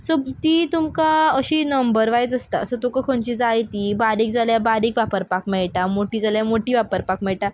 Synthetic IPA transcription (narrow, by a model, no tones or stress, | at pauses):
sɔt̪iːt̪umkaəɕiːnəmbəɾʋajd͡zəst̪asət̪okəkʰont͡ɕiːd͡zajt̪ibaɾiːk̚d͡zaljabaɾiːkʋapəɾpakmɛɭʈamoʈiːd͡zaljamoʈiːʋapəɾpakmɛɭʈa